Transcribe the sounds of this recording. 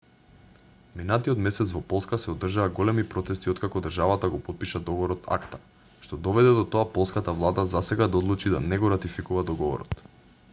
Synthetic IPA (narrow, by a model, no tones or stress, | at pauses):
minat̪iɔt̪mɛsɛt̪svɔpɔlˠskasɛod̪r̩ʒaaɡɔlɛmipɾɔt̪ɛst̪iɔt̪kakɔd̪r̩ʒavat̪aɡɔpɔt̪̚piʃad̪ɔɡɔɾɔt̪ʰa̰kt̪ḁ | ʃt̪ɔd̪ɔvɛd̪ɛd̪ɔt̪oapɔlˠskat̪avlˠad̪azasɛɡad̪aɔd̪lˠut͡ʃid̪a̰nɛɡɔɾat̪ifikuvad̪ɔɡɔvɔ̰ɾɔ̰t̪